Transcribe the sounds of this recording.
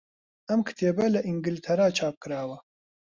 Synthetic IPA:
ɐmkʰɨ̥t̪ʰeːbɛlɐʔiŋɡɨlt̪ʰɐɾaːt͡ʃʰaːp̚kɨɾaːwɐ

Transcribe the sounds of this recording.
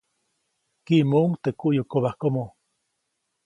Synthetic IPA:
kiʔmouŋt̪ekuʔjokoβahkomo

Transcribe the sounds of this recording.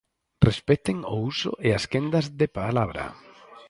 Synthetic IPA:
respɛt̪ɪŋousʊ̰ʔeaskend̪azðepalaβɾɐ̰

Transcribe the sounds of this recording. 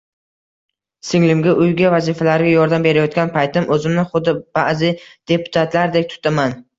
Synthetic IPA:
sɪŋlɪmɡʲaʔʊjɡʲavazifalaɾɪɡʲajɒɾd̪ambe̞ɾajɒt̪̚kʲanpʰajt̪ʰɪmɵzɪmnɪχʊd̪ːɪb̥aʔzɪd̪̥e̞pʰʊ̥t̪ʰat̪ʰlaɾd̪ek̚ʲt̪ʰʊ̥t̪ʰaman

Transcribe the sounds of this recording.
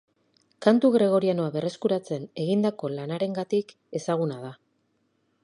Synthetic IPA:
kant̪uɣɾe̞ɣ̞o̞ɾiano̞aβe̞reskuɾat͡se̞ne̞ɣind̪ako̞lanaɾe̞ŋɡat̪ik | e̞saɣ̞unað̞a

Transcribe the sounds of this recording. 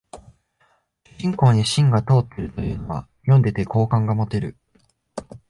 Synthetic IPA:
ɕĩŋko̞ːɲ̟iɕĩŋɡat̪o̞ːt̪ːeɾɯ̟t̪o̞jɯ̟̰ːno̞βa̰ | jõ̞nd̪e̞t̪e̞ko̞ːkãŋɡamo̞t̪e̞ɾɯ̟

